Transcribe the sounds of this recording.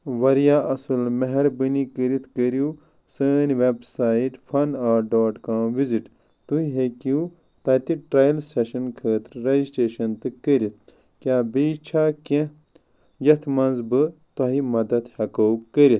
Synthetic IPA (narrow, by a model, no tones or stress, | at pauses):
ʋɐɾjaːʔɐsɨlmɐɦɐɾbɨnikəɾit̪ʰkəɾjuː | səːnʋebsaːiʈfʰɐnaːɖoːʈkaːmʋiziʈ | t̪uiɦeki | t̪ɐt̪iʈɾajilseʃɐnkʰəːt̪ɾɾɐisʈeːʃɐnt̪ɨkəɾit̪̚ʰ | kʲaːbiːt͡ʃʰaːkẽ | jɐt̪ʰmɐnzbɨt̪ɐɦimɐd̪ɐd̪hɐkowkəɾit̪ʰ